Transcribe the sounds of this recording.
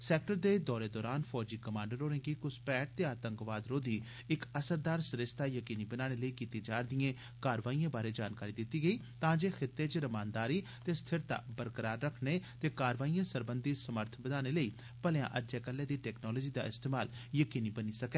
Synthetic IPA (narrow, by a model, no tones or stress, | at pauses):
sɛːk̚ʈəɾd̪eːd̪ɔːɾeːd̪ɔːɾaːnpʰɔːd͡ʒiːkəmãːɳɖəɾoːɾẽːɡiːkʊspɛːʈ̚t̪eaːt̪ə̃ŋkʋaːd̪ɾoːd̪iː | ɪkəsəɾd̪aːɾsɾɪst̪aːjəkiːniːbənaːɽ̃eːləiːkiːt̪iːd͡ʒaːɾd̪ijẽː | kaːɾʋaːiːãːbaːɾeːd͡ʒaːnkaːɾiːd̪ɪt̪ːiːɡəiː | t̪ãːd͡ʒeːxʰɪt̪ːeːt͡ʃɾəmaːnd̪aːɾiːt̪eːst̪ʰɪɾt̪a̰ːbəɾkəɾaːɾːəkʰneːt̪eːkaːɾʋaːijãːsəɾbənd̪iːsəməɾt̪ʰbəd̪aːneːləiː | pəljã̰ːʔəd͡ʒɛːkəlːẽːd̪iːʈɛːknɔːlɔːd͡ʒiːd̪a̰ːɪst̪eːmaːljəkiːniːbəniːsəkɛː